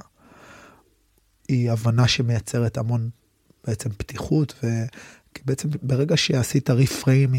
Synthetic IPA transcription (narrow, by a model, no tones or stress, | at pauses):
iavanaʃe̞mejat͡se̞ʁetamo̞n | b̥eet͡se̞mptiχutve̞ | kibeet͡sembeʁeɡaʃeasitaʁifʁejmi